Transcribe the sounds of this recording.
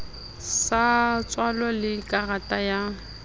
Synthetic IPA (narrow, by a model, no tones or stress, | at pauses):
sat͡sʼwalɔlɪkʼaratʼaja